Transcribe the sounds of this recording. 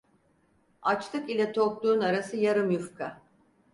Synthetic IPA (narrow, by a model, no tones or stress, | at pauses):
at͡ʃt̪ˠɯkilʲɛt̪ʰo̞k̚lˠuːnaɾasɯjaɾɯmjufkʰa